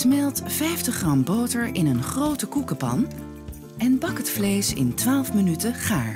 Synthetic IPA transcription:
smɛlˠtfɛjftəχrɑmbowtəɹʔɪnənχrowtəkukəpɑ̰n | ɛnbɑkɦətflejsɪ̰ntʋaːlˠfmənytəχaːɹ

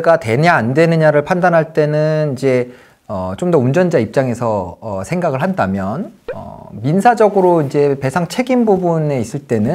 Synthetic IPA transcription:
ɡate̞ɲaandwe̞nɯɲaɾɯɭpʰandanɦaɭt͈e̞nɯnid͡ʑe̞ | ʌt͡ɕomdʌund͡ʑʌnd͡ʑaip̚t͡ɕ͈aŋe̞sʰʌʌsʰe̞ŋɡaɡɯɭhandamjʌnʌ̰minsʰad͡ʑʌɡɯɾoind͡ʑe̞pe̞sʰaŋt͡ɕʰe̞ɡimbubune̞is͈ɯɭt͈e̞nɯ

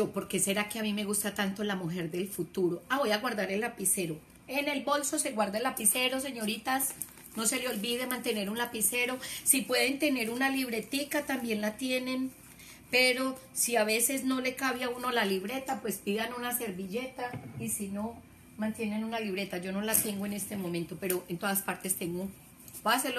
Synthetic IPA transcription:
d͡ʒopo̞ɾkese̞ɾake̞amime̞ɣust̪at̪ant̪o̞lamuxe̞ɾd̪e̞lfut̪uɾo̞aβo̞jaɣwaɾd̪aɾe̞lːapise̞ɾo̞ | e̞ne̞lbo̞lso̞se̞ɣwaɾd̪aelːapise̞ɾo̞s̬e̞ɲo̞ɾit̪as | no̞se̞leo̞lbiðemãnt̪e̞ne̞ɾunlapise̞ɾo̞sipwe̞ðe̞nt̪e̞ne̞ɾunaliβ̞ɾe̞t̪ikat̪ambje̞nlat̪je̞ne̞n | pe̞ɾo̞ | siaβe̞se̞zno̞le̞kaβjaunolaliβɾe̞t̪apwe̞spiðanunase̞ɾbiʝe̞t̪aisino̞ | mãnt̪je̞ne̞nunaliβ̞ɾe̞t̪ad͡ʒo̞no̞lat̪e̞ŋɡoe̞ne̞st̪emomẽnt̪o̞pe̞ɾo̞ʔent̪o̞ðaspaɾt̪e̞st̪e̞ŋɡo | pase

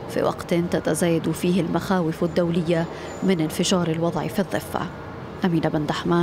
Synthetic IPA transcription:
fḭwʔa̰qt̪nt̪at̪azaːjad̪ufiːhɪlmaxaːwɪfɪd̪ːawlɪjːa | mɪnɪnfɪʒɑːɾˤɪlwɑd̪ˤʕḭfiðˤːɨfːa̰ | ʔamiːnabɪnd̪aħmaː

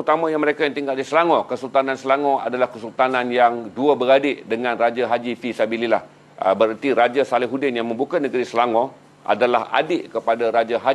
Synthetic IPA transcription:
ut̪amãjaŋməɾekajaŋt̪iŋɡaldisəlaŋɔ̃kəsult̪anãnsəlaŋɔ̃a̰dalahkəsult̪anãnjaŋduəbəɾadɪʔdəŋãnrad͡ʒaɦad͡ʒifisabililah | bəɾart̪iɾad͡ʒasalɪɦudɪnjaŋmə̃mbukanəɡəɾisəlaŋɔ̃ | a̰dalaha̰dɪʔkəpadaɾad͡ʒaɦa

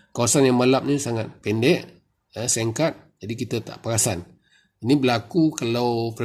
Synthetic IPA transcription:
kawasanjaŋmalap̚nisaŋat̪̚pɛndɛʔ | əseŋkat̪̚d͡ʒadikit̪ət̪a̰ʔpəɾasan | inibəlakukalawkə

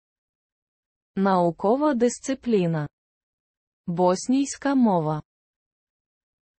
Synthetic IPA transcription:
nɐukɔʋɐd̪ɪsʲt̪sɨplʲinɐ | bɔsʲnʲijsʲkɐmɔʋɐ

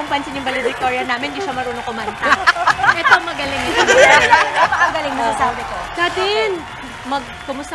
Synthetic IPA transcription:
ʊŋpɐnsɪnjʊŋbɐlɪd̪ɪk̚t̪oɹɐnaːmɪnɪd̪iːʃɐmɐɾuːnokʊmɐnt̪ɐʔɛt̪oŋmɐɡɐlɪŋː | ɛt̪oɐɡɐlɪŋmɐsɐsaːbɪk̪osat̪ɪn | mɐɡ̚ | kʊmʊst̪

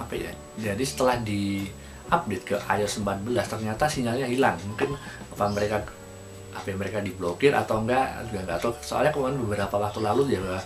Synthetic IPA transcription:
apaja̰ | d͡ʒadisə̥t̪əlahdi | ʔap̚det̪̚kəʔa̰jɔsəmbat̪̚bəlast̪ərɲat̪asiŋalɲaɦilaŋmukɪn | apaməɾeka | a̰pajaŋməɾekadiblokɪra̰t̪awŋɡaʔd͡ʒuɡaŋɡat̪asoa̰lɲakəmuanbəbəɾapawak̚t̪ulalud͡ʒaɡa

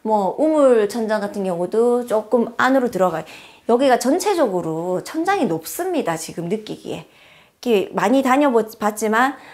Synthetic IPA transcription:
mwʌumuɭt͡ɕʰʌnd͡ʑaŋɡatʰɯnɡjʌŋudot͡ɕ͈ok͈ɯmanɯɾotɯɾʌɡajojʌɡiɡat͡ɕʌnt͡ɕʰe̞d͡ʑʌɡɯɾot͡ɕʰʌnd͡ʑaŋinop̚s͈ɯmɲidat͡ɕiɡɯmnɯk͈iɡḭe̞̰ | kemaɲitaɲʌbpat̚t͡ɕ͈iman

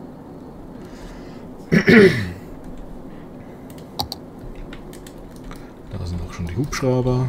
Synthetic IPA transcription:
d̥a̰ːzɪndaʊxʃoːndiːhuːpʃʁ̥aʊbɐ

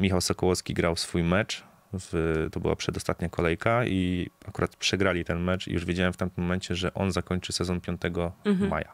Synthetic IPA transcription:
mʲixawsɔkɔwɔskʲiɡɾawsfujmɛt͡ʂ | vt̪ɔbɨ̰wa̰pʂɛd̪ɔst̪at̪ɲakɔlɛjkaiakuɾʔat̪pʂɛɡɾalʲit̪ɛnmɛt͡ʂḭjṵʐvʲjed͡ʑawɛmft̪amt̪ɪmːɔmɛnt͡ɕɛʐɛʔɔnzakɔɲt͡ʂɘsɛzɔnpʲjɔnt̪ɛɡɔma̰ja

